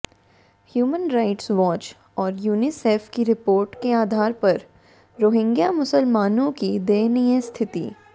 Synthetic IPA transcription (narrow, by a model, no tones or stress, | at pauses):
hjuːmənɾaɪʈsʋɔːt͡ʃ | ɔːɾjuːniseːfkiɾɪpoːɾʈkeaːd̪ʱaːɾpɐɾ | ɾoːɦɪ̃ŋɡjamʊsəlmaːnõkid̪eːniest̪ʰɪt̪ḭː